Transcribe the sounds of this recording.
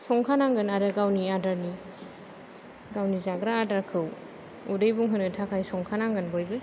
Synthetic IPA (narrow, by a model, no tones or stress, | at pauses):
sɔŋkʰanaŋɡɯnaɾɯɡawniadaɾni | ɡawnizaɡɾaːdaɾkʰɯw | udɯjbuŋɦɯnɯtʰakʰajsɔŋkʰanaŋɡɯnbɔjbɯ